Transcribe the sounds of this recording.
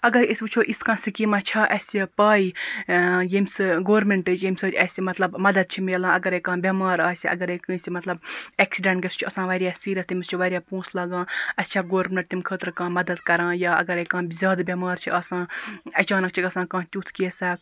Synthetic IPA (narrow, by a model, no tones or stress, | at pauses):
ɐɡɐɾisʲbut͡ʃʰoːʔiskãːsikimãt͡ʃʰaːʔɐsʲipaːi | jemsɨɡoːɾmeɳʈɨd͡ʒjemʲsɐːɐsʲimɐt̪lɐbmɐd̪ɐd̪̚t͡ʃʰimeːlãːɐɡɐɾekãːbʲɐmaːɾaːsʲiʔɐ̰ɡɐɾekɨ̃ːsʲimɐt̪lɐbeːksiɖɐɳʈɡɐst͡ʃʰuɐsãːʋɐːɾjaːsiːɾʲɐst̪imist͡ʃʰuʋɐːɾʲjaːpũːslaːɡãːɐst͡ʃʰaɡoːɾmʲẽɳʈ̚t̪imkʰəːt̪ɾkãːmɐd̪ɐd̪kɐɾãːjaːɐ̰ɡɐɾekãːzʲjaːd̪bʲɐmaːɾt͡ʃʰiaːsãːɐt͡ʃaːnɐk̚t͡ʃʰiɡɐsãːkãːt̪ʲuːt̪ʰkiesaː